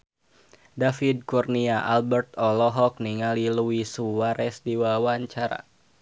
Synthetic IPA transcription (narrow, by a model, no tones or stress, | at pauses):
dafid̚kurniaʔalbərt̪ɔlɔɦɔk̚niŋaliluwisuwaɾɛsdiwawaɲt͡ʃaɾa̰